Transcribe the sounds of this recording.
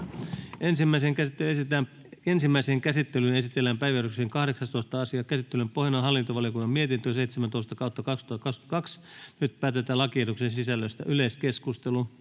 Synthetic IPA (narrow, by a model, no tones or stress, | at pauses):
ensimːæiseŋkæt̪ːt̪æ | ensimːæiseːŋkæsit̪ːelyne̞sit̪elːæmpæiʋiæɾykseːŋkɑhɾeksɑst̪oist̪ɑɑsiɑkæsit̪ːelympohjɑnɑɦɑlːint̪oʋɑlijokunːɑmiet̪int̪øse̞jt̪semænt̪oist̪ɑkɑut̪ːɑkɑkst̪uɑt̪ːɑkɑkst̪kɑksnyt̪pæːt̪et̪æːlɑkietuksensisælːøst̪æʔyleskeskust̪elu